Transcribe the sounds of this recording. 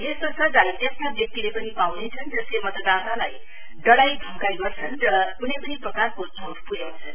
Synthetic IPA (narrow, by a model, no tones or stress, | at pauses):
ɦesosʌd͡zait̪estabek̚t̪ilepʌnipawnet͡sʰʌnd͡zʌslemʌt̪d̪analaj | ɖʌɽajd̪ʱʌŋkajɡʌrt͡sʰʌnrʌkunepʌniprʌkarko | ɦonupuɡjawt͡sʰʌn